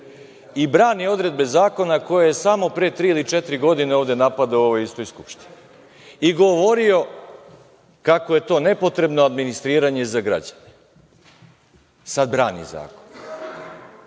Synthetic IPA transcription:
ibɾaːnio̞d̪ɾe̞d̪̚be̞zaːko̞nako̞jaje̞samo̞pɾet̪ɾiːilit͡ʃet̪ɾiɡo̞d̪ine̞o̞ːʋd̪e̞napad̪auoʋojist̪o̞jskupʃt̪ini | iɡo̞ʋoɾio̞ | kako̞je̞t̪o̞ːne̞po̞t̪ɾe̞bnoad̪minist̪ɾiːɾaɲe̞zaɡɾa̰d͡ʑane | sad̪bɾaːnḭza̰ːkon

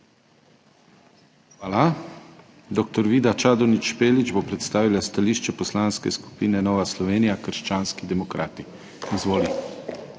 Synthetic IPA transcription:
xʋaːla | d̪ok̚t̪ɔɾʋiːd̪at͡ʃaːd̪ɔnit͡ʃpeːlid͡ʒbopɾɛt̪st̪aːʋilast̪aliːʃt͡ʃɛpɔslaːnskɛ̰sku̥piːnɛnɔːʋaslɔʋeːnijakəɾʃt͡ʃaːnskid̪ɛmɔkɾa̰ːt̪i | izʋoːli

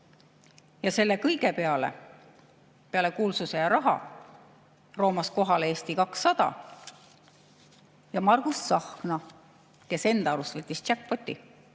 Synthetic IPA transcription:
jɑse̞lːe̞kɤjɡ̥e̞pe̞ɑle̞̰ | pe̞ɑle̞kuːlsuse̞jɑɾɑɦɑ̰ | ro̞ːmɑsko̞ɦɑleeːst̪ikɑksːɑd̪̥ɑ̰ | jɑmɑrɡ̥usːɑhknɑ | ke̞se̞nd̪̥ɑɑɾust̪vet̪ʲːistt͡ʃæk̚po̞t̪ʲːˑi

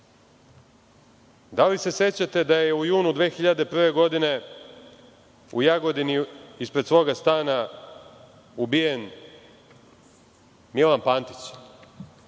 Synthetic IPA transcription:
d̪alise̞se̞t͡ɕat̪e̞d̪ajeujuːnud̪ʋe̞ːxiʎad̪e̞pr̩ʋe̞ɡo̞d̪ine̞ | ṵjaɡo̞d̪iniispɾe̞t̪sʋo̞ːɡast̪aːna | ubije̞n | milanpaːnt̪i̥t͡ɕ

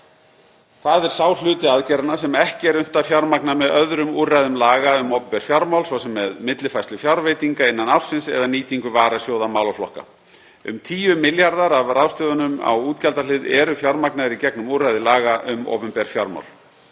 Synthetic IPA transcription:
θaðɛɾ̥saːwlʏːt̪ɪaðcɛɾanasɛmɛhcɪɛɾʏn̥t̪afjawɾmaknamɛðœðɾʏmuːrajðʏmlaːɣaʏmowpʏmpɛɾ̥fjawɾmawlsvɔsɛmːɛðmɪt̪lɪfajst̪lʏfjawɾvejt̪iŋkaɪnːanafsɪnsɛ̰ðaniːt̪iŋkʏvaːɾasjoːwðamaːwlɔflɔ̰hka̰ | ʏ̰mt̪ʰiːʏmɪljaɾðaɾavrʔawst̪ʏːvʏnʏma̰wuːt̪calt̪alɪðɛɾʏfjawɾmaknaðɪɾicɛknʏmuːrajðɪlaːɣaʔʏmo̰ːwpʏmpɛɾ̥fjawɾma̰wl

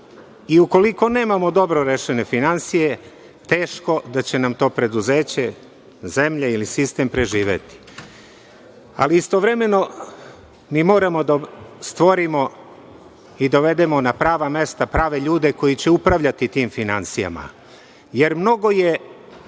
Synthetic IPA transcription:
iuko̞liko̞ne̞ːmamo̞d̪o̞bɾo̞ɾeʃe̞ne̞finansije̞ | t̪e̞ːʃko̞d̪at͡ɕe̞namt̪o̞ːpɾe̞d̪uze̞ːt͡ɕe̞ | ze̞mʎeilisist̪e̞mpɾe̞ʒiːʋe̞̰t̪i̥ | a̰liist̪o̞ʋɾe̞me̞no̞ | miːmo̞ːɾamo̞d̪ast̪ʋo̞ɾimo̞ | id̪o̞ʋe̞d̪e̞mo̞napɾaːʋame̞st̪apɾaːʋe̞ʎuːd̪e̞ko̞jit͡ɕe̞upɾaʋʎat̪it̪iːmfinansija̰ma̰ | je̞ɾmno̞ɡo̞je̞

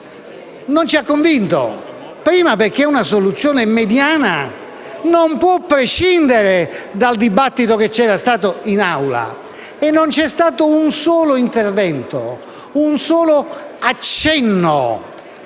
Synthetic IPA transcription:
nont͡ʃiakːoɱvint̪o̰ | pɾiːmaperkːeunasolut̪sːjɔːnemed̪jaːna | nompwɔpːɾeʃːind̪eɾed̪ald̪ibat̪ːit̪oket͡ʃːɛːɾast̪aːt̪oinawla̰ | ɛnːont͡ʃɛst̪aːt̪ounsɔːloint̪ervɛnt̪o̰ | unsɔːloat͡ʃːɛnːo̰

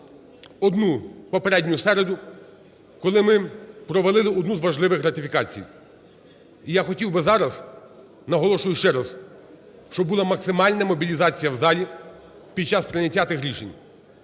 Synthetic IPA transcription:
ɔd̪nupɔpeɾɛdʲnʲʊjʊsɛɾed̪ʊ | kɔlˠɪmɪpɾɔʋelˠɪlˠɪɔd̪nuzʋɐʒlˠɪʋɪxrɐt̪ɪfʲikɑt͡sʲḭj | ijaxɔtʲiwbɪzɑɾɐz | nɐɦɔlˠɔʃʊjʊʃt͡ʃɛɾɐs | ʃt͡ʃɔbulˠɑmɐksɪmɑlʲnɐmɔbʲilʲizɑt͡sʲijɐwzɑlʲi | pʲid̪̚t͡ʃɑspɾɪnʲɐtʲːat̪ɪxɾʲiʃḛnʲ

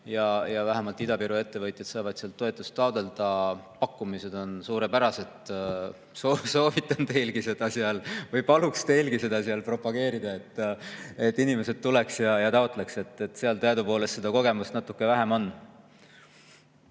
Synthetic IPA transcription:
jɑjɑvæɦæmɑlt̪ːˑid̪ɑpiɾue̞t̪ːe̞vɤjt̪jɑt̪sɑːvɑd̪̥seɑlt̪ːˑo̞et̪ːˑust̪ːɑod̪e̞ld̪̥ɑpɑkːˑumise̞d̪̥o̞nsuːɾepæɾɑse̞t̪ | soso̞ːvit̪ˑːɑnt̪e̞jlɡise̞d̪̥ɑsiɑlvɤjpɑlukst̪e̞jlɡise̞d̪ɑsiɑlpro̞pɑɡ̥e̞ːɾid̪̥ɑe̞t̪ːe̞t̪ːˑinime̞se̞d̪̥̚t̪ːule̞ksjɑjɑt̪ɑot̪ˑle̞kse̞t̪ːˑet̪ːseɑlt̪eɑd̪upo̞ːle̞st̪se̞d̪ɑko̞ɡe̞must̪nɑt̪ːˑukːˑe̞væɦe̞mo̞nː

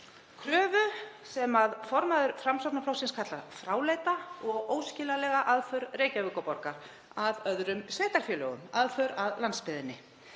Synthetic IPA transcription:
kʰɾœːvʏsɛmaðfɔɾmaðʏɾfɾamsɔpnaflowsɪnskʰat̪lafɾaːwleːjt̪aɔɣoːwscɪːlalɛɣaʔaðfœɾreːjcavʏːkɔpɔɾkaɾ̥ | aðœðɾʏmsveːt̪aɾ̥fjœlœɣʏ̰maðfœɾaðlant̪spɪðɪnːɪ

